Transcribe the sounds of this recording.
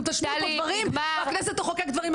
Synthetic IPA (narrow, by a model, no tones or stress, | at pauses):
t̪aʃnod̪vaʁimaknɛset̪oχokekd̪vaʁim